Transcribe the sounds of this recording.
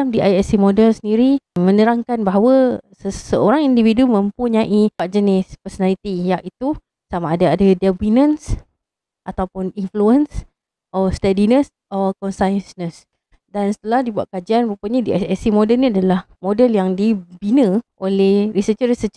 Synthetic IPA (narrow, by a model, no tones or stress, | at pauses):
amdiajɛsimodəlsəndiɾimə̃nəɾaŋkanbaɦawəsəsəoɾaŋindividumə̃mpuɲaʔiad͡ʒənɪspəsonalit̪ijaʔit̪u | samaːdaadadɛbinəns | ʔat̪awpʊninfluəns | ʔɔst̪ɛdinəs | ɔkɔnsajnsnəs | dansə̥t̪əlahdibua̰t̪̚kad͡ʒianbupuɲidiaɛsimodəlnĩadalah | modəljaŋdibinə̃ʔolɛhɾisət͡ʃəɾisət͡ʃ